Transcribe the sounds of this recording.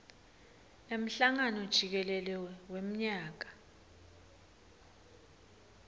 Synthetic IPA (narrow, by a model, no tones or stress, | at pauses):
em̩ɬaŋanɔd̥ʒ̥ʱik̬ɛlɛlɛwem̩ɲaːk̬ḁ